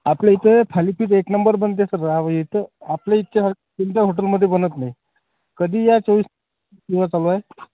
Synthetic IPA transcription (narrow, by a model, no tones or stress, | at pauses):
apleit̪ʰəpʰalipʰiːʈ̪eknəmbəɾbənt̪jasəːaʋəjit̪əapleit̪ːt͡ɕaɦəɾ | pint̪aɦoʈ̬əlməd̪ʱːjebənət̪naɦi | kəd̪ʱiːjat͡səʋiːsn | siʋat͡saloae